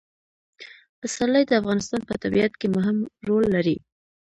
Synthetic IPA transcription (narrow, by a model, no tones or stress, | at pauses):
asaləjd̪əafɣɑnɪst̪ɑnpət̪abiat̪kemʊɦɪmɾolːaɾi